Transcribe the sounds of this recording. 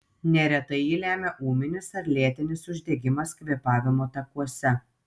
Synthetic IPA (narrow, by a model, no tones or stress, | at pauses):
nʲɛɾʲɛt̪ɐjiːlʲæːmʲɛʔuːmʲɪnʲɪsɐɾlʲeɛt̪ʲɪnʲɪsʊʒʲd̪ʲɛɡʲɪmɐskʋʲiɛpɑːʋʲɪmoːt̪ɐkuɔsʲɛ